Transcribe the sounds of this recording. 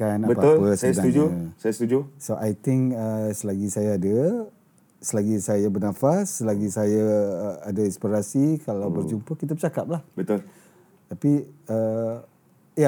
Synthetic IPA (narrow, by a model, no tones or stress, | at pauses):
kanaʔbəpalpəsaasdaud͡ʒusajast̪ud͡ʒusoʔajt̪ɪŋkəsəlaɡisajaːdə | səlaɡisajabərnãfasəlaɡisajaːdainspiɾasikalawbərd͡ʒumpəkit̪̬abət͡ʃakap̚lahbət̪ul | t̪apiə | ja